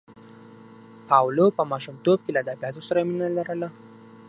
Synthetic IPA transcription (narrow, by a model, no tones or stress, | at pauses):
awlopəmɑʃumt̪ob̚kelaːd̪abijɑt̪osaɾaminalaɾəla